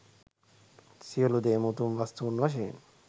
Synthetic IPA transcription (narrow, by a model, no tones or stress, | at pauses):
siolud̪eːmut̪unʋast̪uːnʋaʃ̬eːn